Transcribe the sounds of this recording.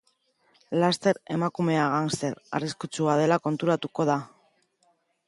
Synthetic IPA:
last̪e̞ɾe̞makume̞aɣanse̞ɾa̰riskut͡suað̞e̞lako̞nt̪uɾat̪uko̞ð̞a

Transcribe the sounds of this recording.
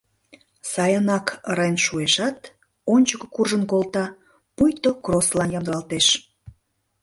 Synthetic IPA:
sɑjɑnɑkɾɑjnʃueʃɑt̪ | onʲt͡ɕəkokurʒənkolt̪ɑ | pujt̪okroslɑnjɑmd̪lɑlt̪eʃ

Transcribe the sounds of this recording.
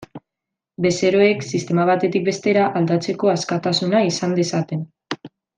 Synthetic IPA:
be̞se̞ɾo̞e̞ksist̪e̞maβ̞at̪e̞t̪ik̚be̞st̪e̞ɾaʔald̪at͡se̞ko̞askat̪asunaisand̪e̞sat̪e̞n

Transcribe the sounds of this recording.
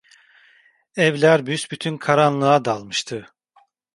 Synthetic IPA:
ɛvlʲæɾbysbyt̪ʰynkʰaɾanlˠɯad̪alˠmɯʃt̪ʰɯ

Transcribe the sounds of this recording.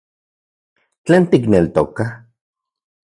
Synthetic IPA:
t͡ɬeːnt̪iknelt̪o̰ka

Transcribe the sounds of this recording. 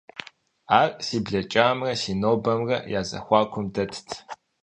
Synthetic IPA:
aːrʼsiːbɮɐt͡ʃʼaːmrɐsiːnoːbɐmrɐ̰jaːzɐ̰xʷɑːkʷʰʊmdɐtʰtʰ

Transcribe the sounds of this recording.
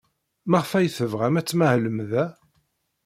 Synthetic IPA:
maʁəfæjθəvʁæmæt͡sːmæhləmðæ

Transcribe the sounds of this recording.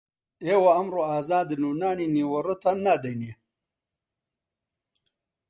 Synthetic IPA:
ewɐɐmɾoaːzaːd̪nunaːniniwɐɾot̪anad̪ɐjne

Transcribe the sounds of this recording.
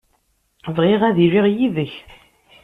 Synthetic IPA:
vʁiʁæðiɾiʁjiðəç

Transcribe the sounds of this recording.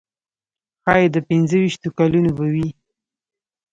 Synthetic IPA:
xɑjed̪əpɪnzəwiʃt̪okalunobawi

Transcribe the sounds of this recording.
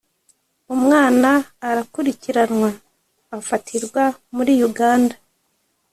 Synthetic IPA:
umŋaːnaːɾakuɾiciɾanŋwaː | fatʰiɾɡwamuɾiːjuɡaːnda

